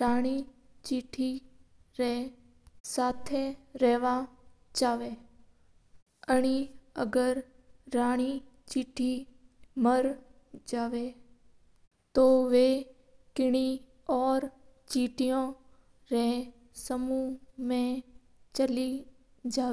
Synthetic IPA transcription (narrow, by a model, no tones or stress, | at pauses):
ɾaːɽ̃i | t͡ʃiːʈʰiɾɛ | saːt̪ʰeɾɛːʋat͡ʃaːʋe | əɽ̃iə̰ɡəɾː | aːɽ̃it͡ʃiːʈʰiməɾ | d͡ʒaːʋe | t̪oːʋeː | kɪɽ̃i | ɔːɾt͡ʃiːʈijõ | ɾɛ̃ | səmumẽ | t͡ʃəli | d͡ʒaː